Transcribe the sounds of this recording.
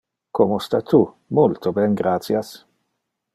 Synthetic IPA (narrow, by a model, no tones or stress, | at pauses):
komost̪at̪u | mult̪obɛnɡɾat̪sjas